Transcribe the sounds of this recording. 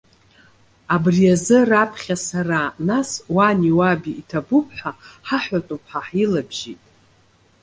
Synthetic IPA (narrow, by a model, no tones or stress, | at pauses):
abrijazɨrapʰχʲasaranaswaniwabiːtʰabupʰħʷᶣaħaħʷatʼupʰħaħilabʒitʼ